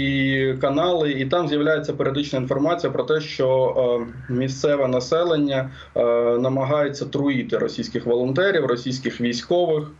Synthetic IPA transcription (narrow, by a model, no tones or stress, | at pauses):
ikɐnɑlˠɪit̪ɑmzʲjɐwlʲajet͡sʲːɐpeɾʲiɔd̪ɪt͡ʃnɐin̪fɔrmɑt͡sʲijɐpɾɔt̪ɛʃt͡ʃɔ | mʲist̪sɛʋɛnɐsɛlˠenʲːɐ | nɐmɐɦɑjet͡sʲːɐt̪ɾʊit̪ɪɾɔsʲijsʲkɪxʋɔlˠɔnt̪ɛɾʲiwrɔsʲijsʲkɪxʋʲijsʲkɔʋɪx